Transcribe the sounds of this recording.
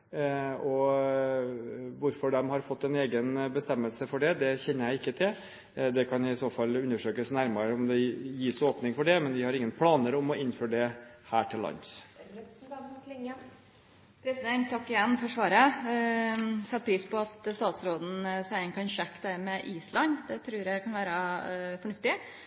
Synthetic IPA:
ɔ | ʋʊɾfɔɖɛmhɑɾfɔt̪ːɛneːɡənbəst̪ɛmːəlsəfɔɖɛd̪ɛçɛnːəɾjæɪɪkːət̪ʰɪl | d̪ɛkʰɑnɪɪsoːfɑlːʉnːəʂøːkəsnæɾmɑɾəɔmd̪ɛjiːsoːpnɪŋfɔɖɛmɛnʋɪhɑɾɪŋːənpʰlɑːnəɾɔmɔʔɪnføːɖɛhæːʈʰɪlːɑ̰ns | ŋə | pʰɾɛsɪd̪ɛnt̪ʰːɑkːɪjɛnːfɔɾʂʋɑːɾə | sɛt̪̚ːpʰɾiːspɔɑt̪st̪ɑːt̪sɾoːd̪n̩sæɪənkʰɑnɕɛkːd̪æmɛʔiːslɑnd̪ɛt̪ʰɾʉːɾjæɪkʰɑnʋæːɾəfɔɳʉft̪ɪ

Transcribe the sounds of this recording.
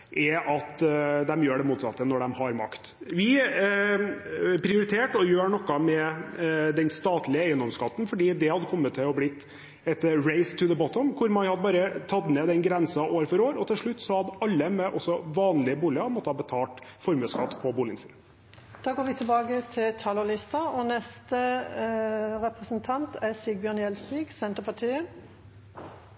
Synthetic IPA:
ʔɛʔɑt̪d̪ɛmjøːɖɛmuːt̪sɑt̪ːənɔɖɛmhɑɾmɑ̰kt̪ | ʋɪ | pʰɾɪʊɾɪt̪ʰeːʈɔjøːɳɔkːɑmɛ | d̪ɛnst̪ɑːt̪lɪəæɪənd̪ɔmskɑt̪ːn̩fɔɖiːd̪ɛhɑd̪ːəkʰɔmːət̪ʰːɪlɔblɪt̪ː | ɛt̪ːəɹeɪst̪ʰʊðəbɔt̪ɔmkʰʊɾmɑnhɑd̪əbɑːɾət̪ʰɑt̪ːneːd̪ɛnɡɾɛnsɑʔoːɾfɔɾoːɾɔt̪ʰɪlʂɭʉt̪ːsɔhɑd̪ɑlːəmɛʔɔsːɔʋɑːnlɪəbuːlɪəmɔt̪ːəhɑːbət̪ʰɑːlʈfɔɾmʉːskɑt̪ːpʰɔbuːlɪŋəsɪ̰ːn | d̪̥ɑːɡoːɾʋɪt̪ʰɪlbɑːɡət̪ʰɪlt̪ʰɑːlɔlɪst̪əɔnɛst̪ə | ɾɛpʁəsənt̪ʰɑnt̪ʰɛsiɡ̚bjœnjɛlsʋiːɡsɛnt̪əɾpʰɑʈ̪ʰiːə

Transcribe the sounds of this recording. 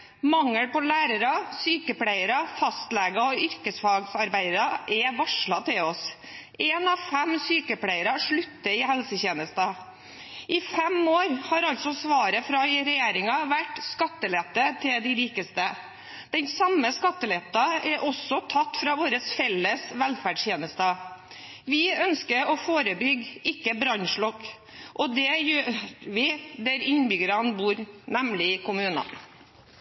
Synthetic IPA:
mɑŋːəɽpɔlæːɾəɾɑsyːkəplæɪəɾɑfɑst̪lɛɡɑɔʏɾkəsfɑɡsɑɾbæɪɾɑʔɛʋɑʂɭɑt̪ʰɪlɔs | eːnɑʋfɛmsyːkəplæɪəɾɑʂɭʉt̪ːəɪhɛlsəçeːnəst̪ɑ | ʔɪfɛmoːɾhɑɾɑlt̪sɔsʋɑːɾəfɾɑɪɾɛjeːɾɪŋɑʋæʈːskɑt̪ːəlɛt̪ːət̪ʰɪld̪ɪɾiːkəst̪ə | d̪̥ɛnsɑmːəskɑt̪ːəlɛt̪ɑɛɾʔɔsɔt̪ʰɑt̪ːfɾɑʋoːɾəsfɛlːəsʋɛlfæɖʂjeːnəst̪ɑ | ʋɪœnskəɾɔfoːɾəbʏɡɪkːəbɾɑnʂɭɔkː | ʔɔd̪ɛjøːɾʋɪd̪æɾɪnbʏɡəɾɑnbuːɾnæmlɪɪkʰʊmʉːnɑ̰

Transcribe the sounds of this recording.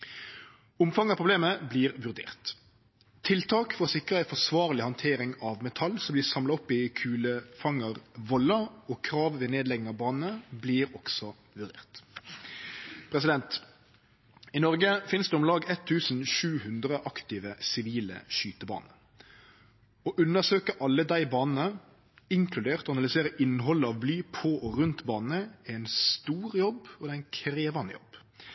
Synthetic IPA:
ʊmfɑŋɑpʰʁʊbleːməbliːʁʋʉʁd̪ḛːʁt̪ | t̪ʰːɪlt̪ʰɑːkfɔʁɔsɪkʁəæɪfɔsʋɑːʁlɪhɑnt̪ʰeːɾɪŋɑʋmɛt̪ʰɑlsɔmbliːsɑmlɑʊpɪkʰʉːləfɑŋəʁʋɔləoːkʰɾɑːʋʋɛneːd̪lɛɡnɪŋɑʋbɑːnənəbliːɾɔksɔ | ʋʉʁd̪eːʁt̪ | pʰɾɛs̬ɪd̪ɛnt̪ | ɪnɔʁɡəfɪnsd̪ɛɔmlɑːɡɛt̪ʰːʉːsn̩ʃʉːhʉnd̪ɾəʔɑkt̪ɪʋəsɪʋiːlə̰ʃyːt̪əbɑ̰ːnə | ɔʔʉnːəʁsøːkəʔɑlːəd̪æɪbɑːnn̩ə | ɪŋkʰlʉd̪eːʁt̪ɔɑnɑlɪseːɾəʔɪnːɦɔlːəɑʋblyːpʰɔʔɔʁʉnt̪bɑːnn̩əæɪnst̪uːʁjɔbɔd̪ɛæɪnkʰɾeːʋɑnə̰jɔ̰b̥

